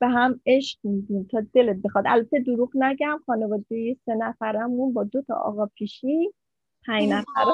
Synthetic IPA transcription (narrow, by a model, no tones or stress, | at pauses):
b̥eɦæme̞ʃkmid̪int̪ʰɒd̪e̞let̪̚bexɒd̪ælbæt̪ʰːed̪oɾuɣnæɟæmxɒːnevɒːd̪ejese̞næfæɾæmunbɒːd̪ot̪ʰɒ̰ʔɒ̰ːɣɒpʰiʃin | pʰæɲnæfæɾ